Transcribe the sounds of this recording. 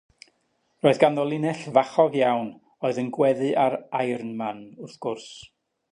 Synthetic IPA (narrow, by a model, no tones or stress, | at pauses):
roːɨðɡanðɔlˠɪnɛɬvaχɔvjawn | oɨðənɡwɛðɨʔaɾajrnmanʊrθɡ̥ʊrs